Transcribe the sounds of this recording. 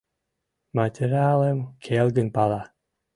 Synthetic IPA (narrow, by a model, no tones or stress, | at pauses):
madʰəɾalɛmkʰeːlɡənbala